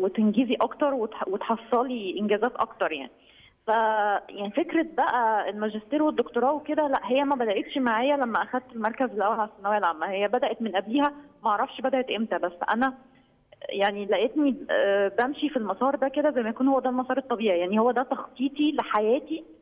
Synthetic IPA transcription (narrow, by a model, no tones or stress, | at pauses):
wet̪enɡiziʔɑkt̪ɑɾˤwet̪wet̪ħɑsˤːɑliʔenɡæːzæːt̪ʔɑ̰kt̪ɑɾˤja̰ʕni | fæjʔaʕnifekɾæbæʔæelmæʒest̪iːɾwed̪ːokt̪oɾˤɑːweked̪ælæʔɦejːæmæbæd̪æʔet̪ʃmaʕaːjælæmːæʔæxæd̪̚t̪elmɑɾˤkæzelʔæwːælʕasænːæwæjælʕamːæhejːæbæd̪æʔet̪menʔæbliːhæwmæʔɑʕɾˤɑfʃbæd̪æʔet̪ʔemt̪æbæsːʔæ̰næ | jaʕnilæʔet̪nibæmʃifilmɑsˤɑːɾˤd̪æked̪æzæjːmæjækuːnhowːæd̪ælmɑsˤɑːɾˤet̪ˤːɑbiːʕijaʕnihowːæd̪æt̪ɑxt̪ˤiːt̪ˤileħajæːt̪i